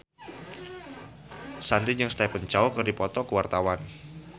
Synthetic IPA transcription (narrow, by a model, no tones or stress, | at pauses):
sant̪iɲd͡ʒəŋst̪apəɲt͡ʃaɔkərdipɔt̪ɔkəwart̪awan